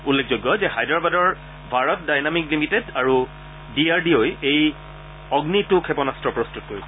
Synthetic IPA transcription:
ulːek̚ʰzojɡːɔzɛhajdaɹbadɔɹ | bʱaɹɔt̚dajnamiklimitedaɹu | diaɹdiojej | ɔɡnitʊkʰɛpɔnastɹɔpɹɔstutɔ̥koɹisɛ

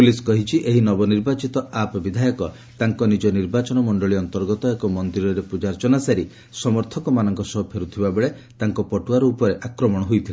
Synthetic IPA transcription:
puliskɔɦit͡ʃʰiʔeɦinɔbɔniɾbat͡ʃit̪ɔapbid̪ʱajɔkɔ | t̪aŋkɔnid͡ʒɔniɾbat͡ʃɔnɔmɔɳɖɔɭiɔnt̪ɔɾɡɔt̪ɔekɔmɔnd̪iɾɔɾepud͡ʒaɾt͡ʃɔnasaɾi | sɔmɔɾt̪ʰɔkɔmanɔŋkɔsɔɦɔpʰeɾut̪ʰibabeɭe | t̪aŋkɔpɔʈuaɾɔupɔɾeʔakɾɔmɔɽ̃ɔɦujt̪ʰile

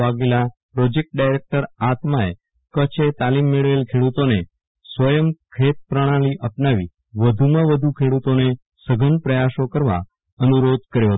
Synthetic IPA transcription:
aɡelapɾod͡ʒek̚ʈ̚ɖajɾek̚ʈəɾat̪mae | kət͡ʃʰet̪alimːeɭəʋelkʰeɽut̪one | sʋəjəmkʰet̪̚pɾəɽ̃aliʔəpnaʋḭ | ʋəd̪ʱumãʋəd̪ʱukʰeɽut̪one | səɡʱənpɾəjaʃokəɾʋa̰ | ənuɾod̪̚ʱkəɾjoɦət̪o

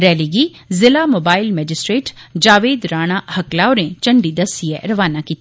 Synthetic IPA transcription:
ɾɛːliɡizɪlamoːbaːɪlmɛːd͡ʒɪsʈɾeːʈd͡ʒaːʋeːd̪ɾaːɽ̃ahɐklaːoɾẽt͡ʃɐɳɖid̪ɐsiɛ̰ɾɐʋaːnakiːt̪

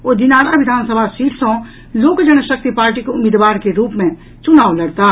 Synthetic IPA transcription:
oːd̪ɪnaːɽaʋɪd̪ʱaːnsəbʱaʃiːɾsɔ̃ | loːkd͡ʒəñəʃək̚t̪ipaːɾʈikeʊmɪːd̪ʋaːɾkeɾuːpmẽ | t͡ʃʊnaːolɐɽt̪a

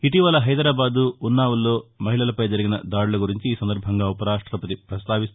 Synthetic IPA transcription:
iʈiːʋɐlɐɦɐjd̪ɾaːbaːd̪uːnːaːʋɐlːo̞ːmɐɦiɭɐlɐpɐjd͡ʒɐɾiɡinɐd̪aːɽulɐɡuɾiɲt͡ʃiiːsɐnd̪ɐɾbʱɐŋɡaːupɐɾaːʂʈɾɐpɐt̪ipɾɐst̪aːʋist̪

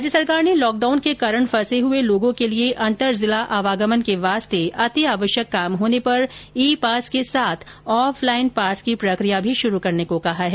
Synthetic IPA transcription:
d͡ʒəsɐɾkaːɾnelɔːk̚ɖaːʊnkekɐɾəɳ̃fɐseɦʊeloːɡõkelieʔɐ̃nt̪əɾzɪlaʔaːʋaːɡəmənkeʋaːst̪ʰeʔɐt̪iaːʋəʃjəkːaːmɦoːnepɐɾiːpaːskesaːt̪ʰ | ɔːfʰlaːɪnpaːskipɾɐkɾijabʱiʃʊɾukɐɾnekokɐɦaɦɛː

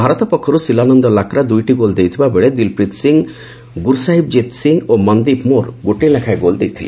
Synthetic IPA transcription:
bʱaɾɔt̪ɔpɔkʰːɔɾusilanɔnd̪ɔlakɾad̪ujʈiɡold̪ejt̪ʰibabeɭed̪ilpɾit̪siŋ | ɡuɾsaɦib̚d͡ʒet̪siŋomɔnd̪ipmoɾɡoʈilakʰajɡold̪ejt̪ʰilḛ

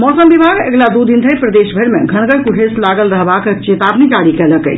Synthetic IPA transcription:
mɔsəmbibʱaɡeɡlad̪ud̪int̪ʰəjpɾəd̪esbʱəɾmḛɡʱənɡəɾkuʈʰeslaɡəlɾəɦbaket͡ʃet̪abnid͡ʒaɽikɛləkə̰jt͡ʃʰ

